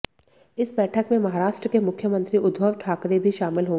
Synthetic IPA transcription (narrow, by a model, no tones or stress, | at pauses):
ɪsbɛːʈʰəkmẽmɐɦaːɾaːʃʈɾəkemʊkʰjəmə̃nt̪ɾiʊd̪ʱbʱəʋʈʰaːkɾebʱiʃaːmɪlɦoː